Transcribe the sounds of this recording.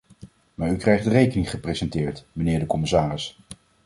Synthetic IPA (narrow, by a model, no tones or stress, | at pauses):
maːɹykrɛjχdərejkənɪŋχəprejzɛntɪːɹtmənɪːɹdəkɔmɪsaːrɪs